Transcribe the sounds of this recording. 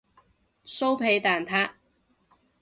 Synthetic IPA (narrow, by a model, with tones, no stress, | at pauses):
so˥wpʰe˨˥jt̪aː˨nt̪ʰaː˥k̚